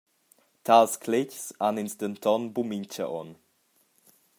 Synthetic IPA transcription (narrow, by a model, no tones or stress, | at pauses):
tʰalskʰlɪcsaninst̪ənt̪ʰɔnbumint͡ʃə̰ʔɔ̰n